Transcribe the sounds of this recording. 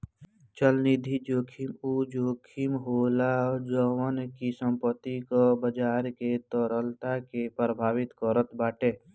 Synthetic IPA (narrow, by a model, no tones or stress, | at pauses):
t͡ʃəlnid̪ʱid͡ʒoːkʰimud͡ʒoːkʰimɦoːlad͡ʒɔwənkisə̃mpət̪ikobəd͡ʒaːɾket̪ɔɾəlt̪akepɾəbʱaːwɪt̪kɔɾət̪baːʈeː